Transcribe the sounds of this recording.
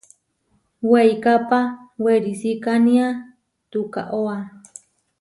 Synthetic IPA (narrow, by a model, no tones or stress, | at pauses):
wejkapaweɾisikanĩa | t̪uka̰ʔoa